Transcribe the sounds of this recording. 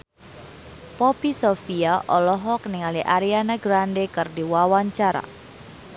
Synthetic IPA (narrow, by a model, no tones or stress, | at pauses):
pɔpisofiaʔɔlɔɦɔk̚niŋaliʔaɾianaɡɾandekɨrdiwawaɲt͡ʃaɾa̰